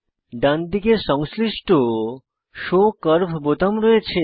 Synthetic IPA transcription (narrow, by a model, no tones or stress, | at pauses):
ɖand̪ikeʃɔŋsliʃʈo | ʃokəɾbʱbot̪amɾɔet͡ɕʰe